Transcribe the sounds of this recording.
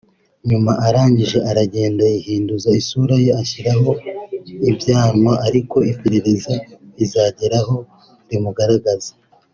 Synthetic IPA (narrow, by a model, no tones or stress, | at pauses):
ɲumaʔaɾaːɲɟiʒe̞ʔaɾaɟe̞ːndaihiːnduzaisuɾajeaçiɾaɦo̞ | ibjaːɾmwaʔaɾiko̞ipiɾeɾezaizaːɟeɾaɦo̞ | ɾimuɡaɾaɡazḁ